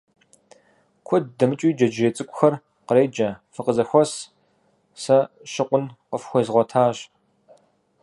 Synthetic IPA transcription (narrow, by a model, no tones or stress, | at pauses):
kʷʰɔd̚dɐmɨt͡ʃʼiːd͡ʒɐd͡ʒeːt͡sʼɨkʷʼʊxɐr | qəɾeːd͡ʒɐfɨqəzɐxʷɔs | sɐ | ɕɪqʷʊnqəfxʷɔzʁʷɔtʰaːɕ